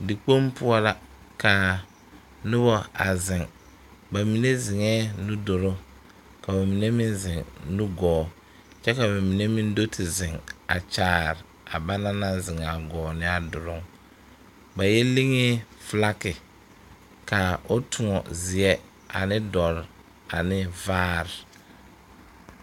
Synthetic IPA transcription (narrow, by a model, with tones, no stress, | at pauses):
dɪ˨k͡po˦mpʊ˦ɔ˦la˦ | ka˨ | nʊ˦bɔ˦a̰˨zɪ˨ŋ | ba˨mi˨ne˦zɪ˨ŋɛː˦nu˦do˨ɾo˦ | ka˨ba˨mi˨ne˦mɪ˦nzɪ˨ŋnu˦ɡɔː˨˦˨ | t͡ʃɛ˦ka˨ba˨mi˨ne˦mi˦n˦do˦tʰɪ˨zɪ˨ŋa̰˨t͡ʃaː˨ɾɪ˨ | a˨ba˦na˦na˦zɪ˨ŋa˨ɡɔː˨nɪ˦a˨dʊ˨ɾʊ˦ŋ | ba˨jɛ˦li˦ŋe˦fla˦kɪ˨ | ka˨o˦tʰʊ˨ŋɔ̰˨zɪ˨ɛ˦ | a̰˨nɪ˦dɔ˨ɾ | a˨nɪ˦vaː˦ɾɪ˨